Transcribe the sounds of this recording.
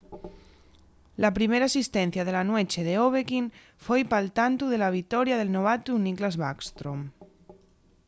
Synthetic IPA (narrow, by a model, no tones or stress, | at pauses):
lapɾimeɾaːsist̪en̟θjað̞elanwet͡ʃeðeoβ̞ekin | fojpalt̪ant̪uð̞elaβ̞it̪ɔɾjaðelnoβ̞at̪uniklazβakst̪ɾom